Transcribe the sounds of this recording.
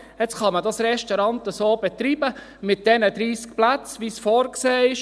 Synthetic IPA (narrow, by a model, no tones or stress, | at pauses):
ɛt͡sχɑmədɑsɾɛʃtɔɾɑntəsoːbɛt̪ɾiːbə | mɪt̚d̥ɛnəd̪ɾiːsk̚plæt͡sʋisfɔːɾkseːɪʃ